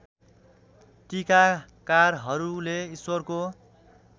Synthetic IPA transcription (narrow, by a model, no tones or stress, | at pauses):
ʈikakarɦʌɾuleiswʌrko